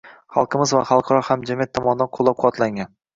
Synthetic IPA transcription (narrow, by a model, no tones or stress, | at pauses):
χɑ̰lˠqʰɨmɪzvaχɑlˠqʰɑɾɒhamd͡ʒamijat̪ʰːɒmɒnd̪anqʰolˠːɒp̚qʰʊwɒt̪laŋʲan